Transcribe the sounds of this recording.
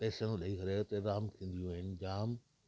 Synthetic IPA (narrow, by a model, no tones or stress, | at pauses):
peːsəñɗɐikɐɾet̪ɐɾaːmt̪ʰĩːnd̪ijũaɪnd͡ʑaːm